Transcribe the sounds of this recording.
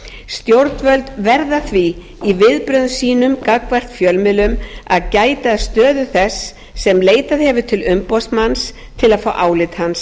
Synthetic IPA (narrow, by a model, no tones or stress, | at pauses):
st̪jowɾt̪nvœlt̪vɛɾðaθviː | vɪðpɾʏðsiːnʏmkakvar̥t̪fjœlmɪlʏmaðcaːjt̪aːðst̪œːðʏθɛsː | ɛmleːjt̪aðhɛvʏt̪ʰɪlʏmpɔst̪mans | t̪ʰɪlaðfawʔaːwlɪt̪hans